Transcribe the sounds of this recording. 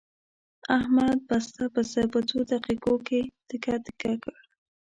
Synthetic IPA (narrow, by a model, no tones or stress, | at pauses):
ahmad̪̚bast̪apəsapat̪od̪aqiqoket̪ɪkat̪ɪ̥kakəɽ